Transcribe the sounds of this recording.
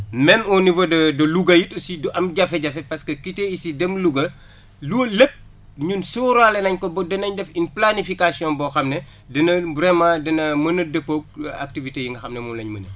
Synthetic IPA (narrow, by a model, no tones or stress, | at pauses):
mɛnɔnivodɐdɐluɡɐjitsidɐmɟɐfɛɟɐfɛpɐskɐkiteisidɛmluɡɐ | lulep̚ | ɲunsuɾalɛnɐɲkɔbɔdɛnɐɲdɛfinplanifikasiɔ̃nbɔxɐmnɛ | dɛnɐbɾɛmaːdɛnɐmɐnɐdɐpːoːk̚a̰k̚tivitejiŋɡɐxɐmnɛmunlɐɲmɐnɐ̰